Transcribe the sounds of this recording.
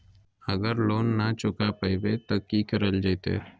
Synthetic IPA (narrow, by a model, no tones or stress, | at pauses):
əɡəɾloːnːat͡ʃʊkapəɪbet̪okikəɾəld͡ʒajt̪ḛː